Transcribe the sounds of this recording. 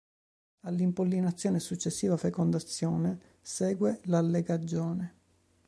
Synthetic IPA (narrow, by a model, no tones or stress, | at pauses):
alːimpolːinat̪sːjoːnesut͡ʃːesːiːvafekond̪at̪sːjɔːne | sɛːɡwelalːeɡad͡ʒːoːne